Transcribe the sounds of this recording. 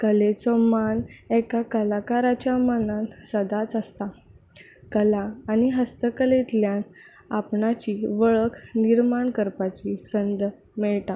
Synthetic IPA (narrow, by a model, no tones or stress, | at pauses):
kəlet͡sɔmanɛkakəlakaɾat͡ɕjamənansəd̪at͡səst̪a | kəlaːniɦəst̪əkəlet̪ljan | apɳat͡ɕiʋəɭəkʰniɾmaɳkəɾpat͡ɕisənd̪ | mɛɭt̪a